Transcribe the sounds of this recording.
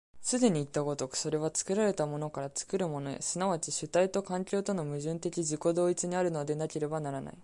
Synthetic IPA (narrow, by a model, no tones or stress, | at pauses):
sɨd̪e̞ɲ̟iːt̪ːako̞t̪o̞kso̞ɾe̞β̞at͡sɨ̥kɯ̟ɾaɾe̞t̪amo̞no̞kaɾat͡sɨ̥kɯ̟ɾɯ̟mo̞no̞ḛsɨnaβ̞at͡ɕiɕɨt̪ait̪o̞kãŋkʲo̞ːt̪o̞no̞mɯ̟ʑɨ̃nt̪e̞kʲid͡ʑɨko̞d̪o̞ːit͡sɨɲ̟iaɾɯ̟no̞d̪e̞nakʲe̞ɾe̞banaɾana̰i